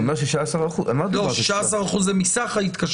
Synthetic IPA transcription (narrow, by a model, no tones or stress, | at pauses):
meʁʃ̬eʃasaʁaχuamat̪loaʃʃaasaʁaχuzemisaχait̪kaʃ